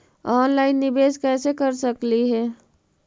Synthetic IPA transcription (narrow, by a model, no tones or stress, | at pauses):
ɔːnlaːɪnːɪbeːskɛːsekəɾsəkliɦɛː